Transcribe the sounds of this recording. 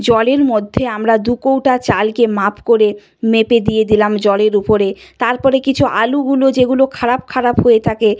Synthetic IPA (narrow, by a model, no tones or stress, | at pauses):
d͡ʑɔleɾmod̪ʱːeamɾad̪ukowʈat͡ɕalkemapkoɾe | meped̪ijed̪ilamd͡ʑɔleɾupoɾet̪aɾpɔɾekit͡ɕʰuʔa̰luɡulod͡ʑeɡulokʰaɾapkʰaɾapɦoet̪ʰake